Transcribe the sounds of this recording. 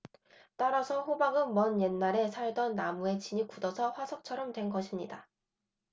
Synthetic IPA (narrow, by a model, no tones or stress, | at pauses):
t͈aɾasʰʌɸobaɡɯnmʌnje̞nːaɾe̞sʰaɭdʌnːamue̞t͡ɕiɲikudʌsʰʌɸwasʰʌk̚t͡ɕʰʌɾʌmtwe̞nɡʌɕʰimɲida